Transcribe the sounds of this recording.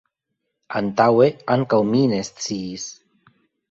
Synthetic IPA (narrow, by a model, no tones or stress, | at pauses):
ant̪aweaŋkawminest͡sis